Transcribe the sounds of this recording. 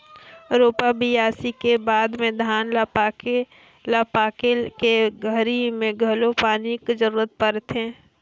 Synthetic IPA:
ɾoːpabijaːsikebaːd̪mẽd̪ʱaːnlap | lapaːkelkeɡʱəɾimẽɡʱəlopaːnikzəɾuːɾət̪̚pəɾt̪ɦɛ̃ː

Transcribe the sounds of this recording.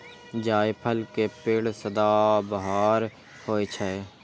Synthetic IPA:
d͡ʒaːjpʰəlkepɪːɽsəd̪aːbəɦaːɾ | hoːet͡ʃʰɛː

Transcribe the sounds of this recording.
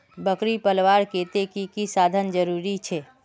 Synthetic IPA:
bəkɾipəlʋaɾket̪ekikisad̪ʱənd͡ʒəɾuɾit͡ʃʰe

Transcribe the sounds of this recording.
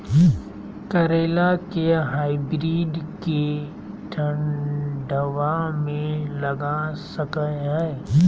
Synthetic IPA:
kɐɾeːlakeɦaːibɾiːɖke | ʈʰə̃ɳɖəʋamẽlɐɡasəkəɦɛː

